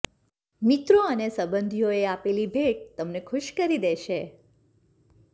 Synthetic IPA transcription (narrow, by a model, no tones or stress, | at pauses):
mit̪ɾoənesəbənd̪ʱijoeapelibʱeʈ̚t̪əmnekʰʊʃkəɾid̪eʃe